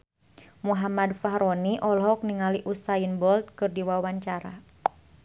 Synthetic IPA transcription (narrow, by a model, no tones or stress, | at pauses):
muɦamadfaɦɾɔniʔɔlɦɔk̚niŋaliʔusainbɔlt̪̚kɨrdiwawaɲt͡ʃaɾa̰